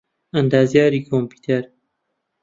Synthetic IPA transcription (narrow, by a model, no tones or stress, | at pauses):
ɐnd̪aːzjaːɾiːkʰompiːt̪ʰeɾ